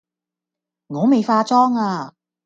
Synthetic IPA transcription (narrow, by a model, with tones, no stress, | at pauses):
ŋɔː˨˧me˨jfaː˧t͡sɔː˥ŋaː˧